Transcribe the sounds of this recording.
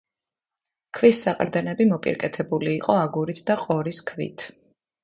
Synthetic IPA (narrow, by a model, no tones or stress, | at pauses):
kʰvisːaqʼɾd̪ɛnɛbimɔpʼḭɾkʼɛt̪ʰɛbuliːqʼɔaɡuɾit̪ʰd̪aqʼɔɾiskʰvḭt̪ʰ